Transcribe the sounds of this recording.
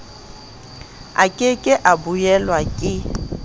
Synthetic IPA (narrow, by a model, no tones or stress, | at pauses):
a̰kʼɪkʼɪʔabujɛlwakʼɪ